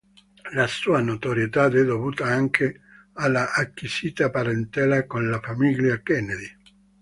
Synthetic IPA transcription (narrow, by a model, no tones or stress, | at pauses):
lasuːanot̪oɾjet̪ad̪ɛd̪ovuːt̪aaŋkʰe | alːaʔakːisiːt̪apaɾent̪ɛːlakonlafamiʎjakɛned̪i